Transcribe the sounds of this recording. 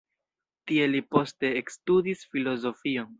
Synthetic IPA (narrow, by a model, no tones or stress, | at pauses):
tie̞lipo̞ste̞ːkstudisfilo̞zo̞fio̞n